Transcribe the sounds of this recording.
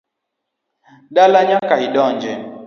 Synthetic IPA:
dalaɲakahiɗɔɲd͡ʒɛ

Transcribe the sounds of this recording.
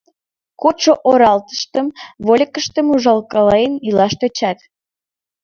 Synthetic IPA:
kot͡ʃoʔoɾɑlt̪ə̥ʃt̪əmβolʲəkəʃt̪əmuʒɑlkɑlɑjənilɑʃt̪ot͡ɕɑt̪

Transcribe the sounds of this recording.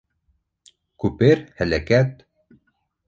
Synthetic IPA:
kʉpɘɾhælækæt̪̚

